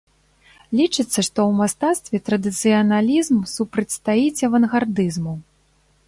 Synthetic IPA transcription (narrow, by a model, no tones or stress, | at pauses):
lʲit͡ʂɨt̪sːɐʂt̪ɔwmast̪at̪st̪vʲɛt̪ɾɐd̪ɨt̪sɨjɐnalʲizmsupɾɐt͡sʲst̪ajit͡sʲɛvɐnɣard̪ɨzmu